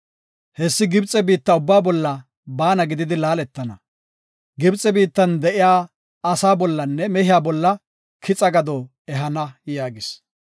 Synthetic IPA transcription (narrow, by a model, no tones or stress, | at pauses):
hɛsːɪɡɪbt͡sʼɛbiːt̪ːɐʊbːaːbɔlːɐ | baːnɐɡɪd̪ɪd̪ɪlaːlɛt̪ːɐnɐ | ɡɪbt͡sʼɛbiːt̪ːɐnd̪ɛʔɪjaː | ɐsaːbɔlːɐnːɛmɛɦɪjaːbɔlːɐ | kʰɪt͡sʼɐɡɐd̪ɔ | ɛɦɐnɐjaːɡɪs